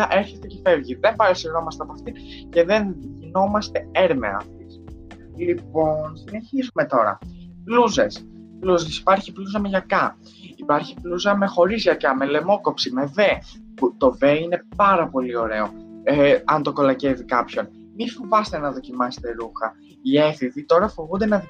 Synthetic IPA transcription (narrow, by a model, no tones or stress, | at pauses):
ʔeɾçest̪ecefe̞vʝiðe̞mpɐɾɐsino̞mɐst̪eɐp̬oɐft̪i | ce̞ðe̞nʝino̞mɐst̪e̞eɾmḛɐ̰ft̪is | lipo̞nsine̞çizume̞t̪o̞ɾɐ̰pluze̞s | pluzesi̥pɐɾçipluzɐmeʝɐkɐ | ipɐɾçipluzɐme̞xo̞ɾizʝɐkɐme̞le̞mo̞ko̞psime̞ve̞ | put̪o̞ve̞ine̞pɐɾɐpo̞lio̞ɾe̞o̞ | ɐnt̪o̞ko̞lɐce̞vikɐpço̞n | mifovɐst̪e̞nɐðo̞cimɐse̥t̪e̞ɾuxɐ | ieθiðit̪o̞ɾɐfo̞vund̪enɐ